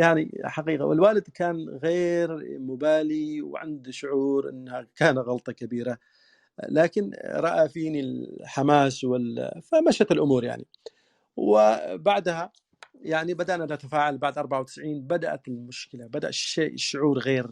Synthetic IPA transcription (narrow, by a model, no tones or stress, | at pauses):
jaʕniħaqiːqa̰wɪ̰lwaːlɪd̪kaːnɣeːɾmʊbaːliwʕa̰nd̪ʃʊʕuːɾʔɪ̰nːhakaːnatɣɑlt̪ˤɑkabiːɾa | laːkɪnɾˤɑʔafiːnilħamaːswɪlfamaʃat̪ɪlʔʊmuːɾja̰ʕnḭ | wɪbaʕd̪ha | jaʕnibad̪aʔnanat̪afaːʕalbaʕd̪ʔɑɾˤbaʕawt̪ɪ̥sʕiːnbad̪aʔa̰t̪ɪlmʊʃkɪlabad̪a̰ʔʃeːʔɪʃːʊʕuːɾɣeːɾ